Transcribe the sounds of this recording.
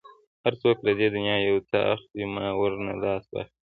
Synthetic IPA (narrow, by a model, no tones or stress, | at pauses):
haɾt͡soːklad̪ed̪ʊnjɑːjawt͡saʔa̰xwimɑːwəɾna̰lɑːsba̰xi